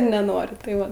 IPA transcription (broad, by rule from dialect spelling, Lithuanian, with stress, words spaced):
nʲɛˈnoːrʲɪ tɐɪ ˈʋɐ